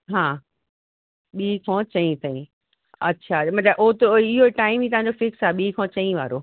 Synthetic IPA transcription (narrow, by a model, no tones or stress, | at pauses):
ɦãː | ɓiːkʰɔ̃ːt͡ɕɐĩt̪ʰɐĩ | ɐ̰tːɕʰamɐt̪ləbʔoɦt̪ːeɪɦoʈaːɪmit̪ɐʋ̤ãɲd͡ʑofɪksaːeɓiːkʰɔ̃ːt͡ɕɐĩʋa̰ːɾoː